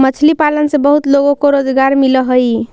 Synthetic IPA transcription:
mət͡ʃʰlipalənsẽbəɦut̪loɡokoɾod͡ʒɡaɾmiləɦəj

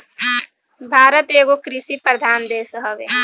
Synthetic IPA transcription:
bʱaːɾət̪eːɡokɾisipɾəd̪ʱaːnd̪eːsəɦəʋḛ

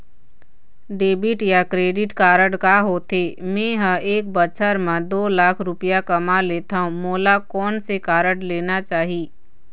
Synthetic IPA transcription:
ɖeːbɪʈjakɾeːɖɪʈkaːɾəɽkaɦoːt̪eːmẽːɦə̃ʔeːk̚bət͡ʃʰəɾmãd̪oːlaːkʰɾʊpijakɐmaleːt̪aːɦũmoːlakɔːnsekaːɾəɽleːnat͡ʃaːɦiː

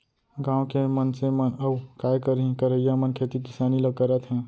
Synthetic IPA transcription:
ɡãːw̃kemənsemənəbkajkəɾɦĩkəɾəijamənkʰet̪ikɪsaːniləɡ̚kəɾət̪ɦɛ̃

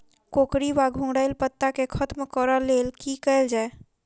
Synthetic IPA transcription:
kokɾibaɡʱũŋɽəjlpət̪ːakekʰət̪mkəɾəlelkikəɪld͡ʒae

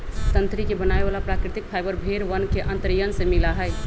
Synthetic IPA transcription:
t̪ənt̪ɾikebənaebalapɾakɾɪt̪ik̚pʰaɪbəɾbʱeɾʋənkeʔə̃nt̪ɾjənsemilaɦəj

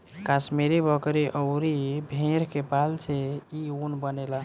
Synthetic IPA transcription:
kasmiɾibʱəkɾiʔəʊɾibʱẽɾkepalseiunbənela

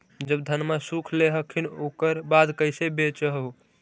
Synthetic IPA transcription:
d͡ʒəbd̪ʱənmasukʰleɦəkʰːinokəɾbad̪kəɪsebet͡ʃəɦɦu

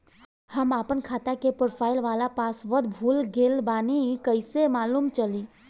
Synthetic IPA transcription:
həmaːpənkʰaːt̪akepoɾpʰaːɪlʋaːlapaːsʋəd̪bʱuːlɡeːlbaːnikəɪsemaːluːmt͡ʃəli

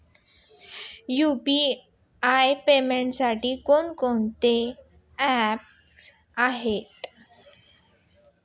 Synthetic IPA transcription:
jupi | ajpemeɳʈsaʈiːkonkont̪e | æp̚ | aɦet̪

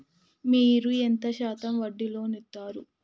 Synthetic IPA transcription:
miːɾuent̪ɐʃaːt̪ɐmʋɐɖːilo̞ːnit̪ːaːɾu

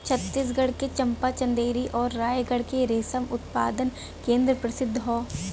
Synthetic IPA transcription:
t͡ʃʰɐt̪ːis̬ɡɐɽ̤ket͡ʃɐ̃mpat͡ʃɐ̃nd̪eːɾiʔɔːɾːaːjɡɐɽ̤keɾeːsəmʊt̪pa̰ːd̪ən | kẽːnd̪ɾəpɾɐsɪd̪ʱːɦɔː

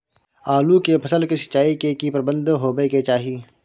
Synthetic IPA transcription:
aːlukepʰɐsəlkisɐ̥t͡ʃːaːikekipɾəbə̃nd̪ɦoːbeket͡ʃaːɦiː

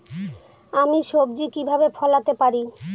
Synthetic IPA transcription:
amiʃob̚d͡ʑikibʱabefʰɔlat̪epaɾi

